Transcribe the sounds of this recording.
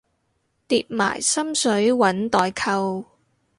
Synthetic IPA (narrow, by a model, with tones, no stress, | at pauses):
t̪iː˧t̚ma̰ː˨˩jsɐ˥msɵ˨˥ɥwɐ˨˥nt̪ɔː˨jkʰɐ˧w